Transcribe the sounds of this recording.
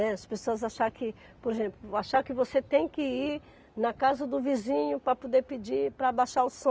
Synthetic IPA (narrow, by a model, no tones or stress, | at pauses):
ɛɐspesoɐzaʃaɾkɪ | poɾeʒẽmplʊaʃaɾkɪvoset̪ẽj̃kɪiɾ | nɐkazɐd̪ʊvizĩɲʊpɾɐpod̪epid͡ʒipɾɐbaʃaʊsõ